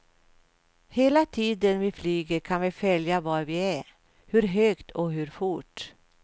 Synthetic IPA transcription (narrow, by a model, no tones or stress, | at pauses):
heːlat̪ʰiːd̪ənvɪflyːɡəɾkʰanvɪfœljavaːɾvɪæɾ | hɵɾɦøːkt̪ʰɔɦʉɾfʊʈː